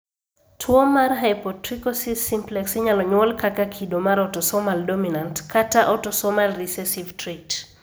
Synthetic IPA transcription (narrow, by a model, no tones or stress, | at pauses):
tʰwɔmarɦajpɔtrikɔsisimplɛksiɲalɔɲwɔlkakakʰidomaɾɔtɔsɔmaldominantkʰataʔɔtɔsɔmalrisɛsivtɾet